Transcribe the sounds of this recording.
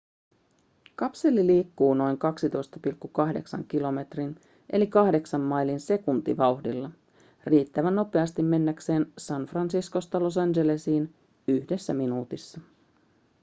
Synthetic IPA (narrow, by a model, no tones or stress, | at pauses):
kɑpse̞lːiliːkːuːno̞jŋkɑksit̪o̞jst̪ɑpilkːukɑhde̞̰ksɑ̰ŋkilo̞me̞t̪rin | ʔe̞̰likɑhde̞ksɑmːɑjlinse̞kunt̪ḭʋɑuwxdilːɑ | riːt̪ːæʋænːo̞pe̞ɑst̪imme̞nːækse̞ːnsɑnfrɑnsisko̞st̪ɑlo̞s̬ɑnd͡ʒe̞lesiːn | yhde̞sːæminuːt̪isːɑ